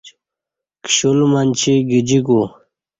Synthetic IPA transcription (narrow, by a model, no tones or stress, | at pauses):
kɕulmanʲt͡ɕʰiɡid͡ʑiku